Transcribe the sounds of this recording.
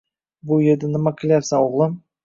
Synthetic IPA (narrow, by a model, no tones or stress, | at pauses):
bʊjeɾd̪ɪnɪmakʲʰɪlˠajapsaoʁlˠɪm